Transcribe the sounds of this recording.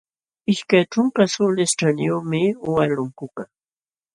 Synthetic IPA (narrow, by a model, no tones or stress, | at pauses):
ɪʃkajʈ͡ʂʊŋkasʊlesʈ͡ʂanjomɪwalʊŋkʊka